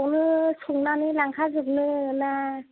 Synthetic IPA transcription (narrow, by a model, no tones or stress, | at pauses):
wnɯsʰuŋnanilaŋkʰazɯk̚nɯna